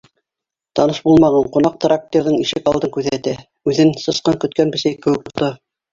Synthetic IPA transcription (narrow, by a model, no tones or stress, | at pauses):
t̪ɑnɤʃbulˠmɑʁɑɴqŏnɑq̚t̪ɾak̚t̪ʲeɾðɤɴiʃɘkɑlˠd̪ɤŋkʉðɘæt̪æ | ʉðɘnsɤ̆sqɑŋkɵ̆t̪̚kænbɘ̆sæjkɘ̆wɘ̆k̚t̪ŭɾt̪ɤ